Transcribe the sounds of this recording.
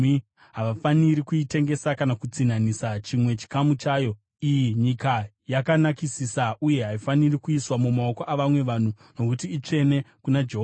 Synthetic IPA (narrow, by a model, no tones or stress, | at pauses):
ɦaʋafaniɾikuite̞ŋɡe̞sakanakut͡sin̤anisat͡ʃimwe̞t͡ʃi̥kamut͡ʃaːjo̞ | ijiɲika | jakanakisisaʔuje̞ɦaifanirikuiswamumao̞koʔaʋamwe̞ʋan̤u | no̞kutiːt͡ʂe̞ne̞kunad͡ʒeɦo